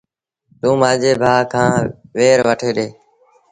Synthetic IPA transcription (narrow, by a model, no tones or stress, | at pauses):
t̪ũːmãːd͡ʒeːbʱaːkʰãːʋeːɾʋəʈʰeːɗeː